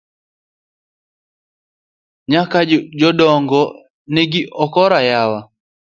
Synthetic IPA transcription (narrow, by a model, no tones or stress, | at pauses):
ɲakad͡ʒɔdɔŋɡɔ | nɛɡɪʔɔkɔɾajawa